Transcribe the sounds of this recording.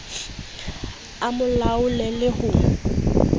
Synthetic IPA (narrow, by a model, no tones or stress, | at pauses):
amʊlaʊlɛlɪhʊ